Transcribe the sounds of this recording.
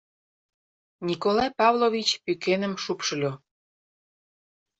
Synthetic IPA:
nʲikolɑjpɑvlovʲit͡ɕpykenəmʃupʃəlʲo

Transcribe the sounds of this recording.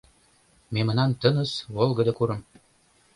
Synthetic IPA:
memɤ̆nɑnt̪ɤnɤ̆sβolˠɡɤ̆d̪ɤkuɾɤ̆m

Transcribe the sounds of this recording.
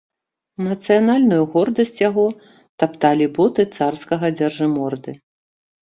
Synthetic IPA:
nɐt̪sɨjanalʲnujuɣɔrd̪ɐsʲt͡sʲjaɣɔ | t̪apt̪alʲibɔt̪ɨt̪sarskɐɣɐd͡zʲɐrʐɨmɔrd̪ɨ

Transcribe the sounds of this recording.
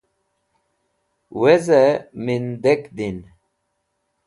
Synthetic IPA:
wezemind̪ekd̪in

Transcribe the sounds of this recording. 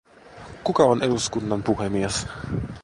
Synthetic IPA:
kukɑoneduskunːɑnpuhemies

